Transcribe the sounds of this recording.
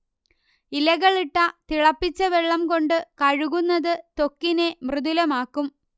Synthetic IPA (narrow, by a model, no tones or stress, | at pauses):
ilɐɣɐɭiʈːɐt̪iɭɐpːit͡ɕːɐʋeɭːɐmko̞ɳɖɨkɐɻuɣunːɐðɨt̪o̞kːine̞mrɨðulɐmaːkːum